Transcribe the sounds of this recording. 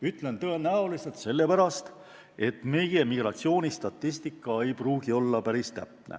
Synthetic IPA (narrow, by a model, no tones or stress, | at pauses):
yt̪ːˑle̞nt̪ɤenæoliselt̪se̞lːe̞pæɾɑst̪ | e̞t̪ˑme̞jemiɡ̥rɑt̪sio̞ːnʲist̪ɑt̪ːˑist̪ikːˑɑe̞jpruːɡ̥io̞lːɑpæɾist̪æ̰p̚nḛ